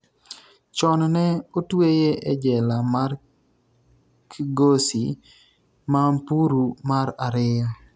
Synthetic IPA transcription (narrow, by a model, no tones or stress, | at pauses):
t͡ʃɔnnɛotwejeʔed͡ʒɛlamar | kʰiɡosi | mampuɾumaɾaɾɪɔ